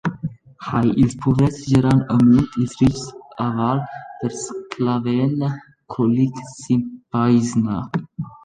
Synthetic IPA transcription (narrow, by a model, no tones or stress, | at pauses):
hajilspʰuvɾɛsʒəɾanəmunt̪ilzrit͡ʃsavalpəɾskʰlavɛnə | kʰɔliksimpaizna